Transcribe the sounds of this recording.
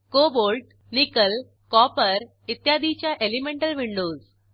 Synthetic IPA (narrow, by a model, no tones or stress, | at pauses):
kobolʈ | nikəl | kɔpəɾ | it̪jad̪it͡ɕjaʔelimẽɳʈəlʋiɳɖoz